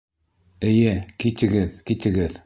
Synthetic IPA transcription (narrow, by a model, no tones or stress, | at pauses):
ɘ̆jɘkit̪ɘ̆ɡɘðkit̪ɘ̆ɡɘð